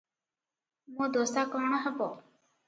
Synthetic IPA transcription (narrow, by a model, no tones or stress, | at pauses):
mõːd̪oːst̪aːkəɳ̃əɦɛpoː